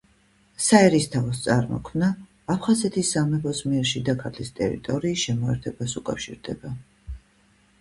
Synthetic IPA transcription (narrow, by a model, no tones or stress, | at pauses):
saɛɾist̪ʰavst̪sʼaɾmɔ̰kʰmnaː | pʰχazɛt̪ʰisːamɛpʰɔsmiɛɾʃid̪akʰat̪ʰlḭst̪ʼɛ̰ɾḭt̪ʼɔɾiːsʃɛmɔɛɾt̪ʰɛbasukʼafʃḭɾd̪ɛba